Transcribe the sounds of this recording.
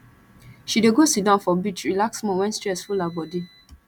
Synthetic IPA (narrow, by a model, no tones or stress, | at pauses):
ʃideɡosidãnfɔbit͡ʃɹilaksmɔ̃wɛ̃nstɹɛsfulabɔdi